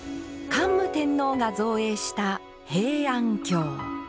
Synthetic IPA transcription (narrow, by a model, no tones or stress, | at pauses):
kãmːɯ̟t̪ẽ̞nːo̞ːɡazo̞ːe̞ːɕi̥t̪a | he̞ːãŋkʲo̞ː